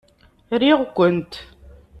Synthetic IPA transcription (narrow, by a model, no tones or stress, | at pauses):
ɾiʁkʷənt̪